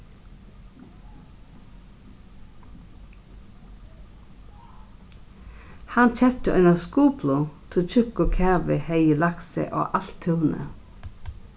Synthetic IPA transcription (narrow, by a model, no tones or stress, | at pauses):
hɑnt͡ʃɛp̚t̪əʔœnaskuːpʰlut̪ʰɪlt͡ʃʰʏkːʊkʰæʁʋɪheɪəlaksə̰ʔo̰ːʔalt̪ʰːʉːnə̰